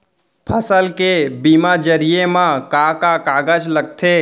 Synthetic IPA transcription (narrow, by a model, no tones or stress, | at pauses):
pʰəsəlkebiːmad͡ʒəɾijemãkakakaːɡəd͡ʒləɡ̚t̪ʰe